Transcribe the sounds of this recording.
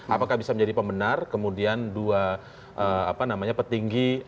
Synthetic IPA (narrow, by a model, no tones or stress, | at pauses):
ʔapakahbisaməɲd͡ʒadipəmbənarkəmudiandua | ʔəapanamaɲapərt̪iŋɡi